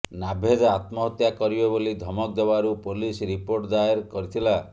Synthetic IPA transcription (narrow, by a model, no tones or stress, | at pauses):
nabʱed̪at̪mɔɦɔt̪jakɔɾibebolid̪ʱɔmɔkd̪ebaɾupolisɾipoɾʈd̪ajeɾkɔɾit̪ʰila